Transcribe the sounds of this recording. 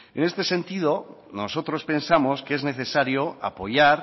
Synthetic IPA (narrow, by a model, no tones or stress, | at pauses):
ene̞st̪e̞sẽ̞nt̪ið̞onosot̪ɾo̞spe̞nsamo̞skee̞zne̞θe̞saɾjoa̰po̞ʝaɾ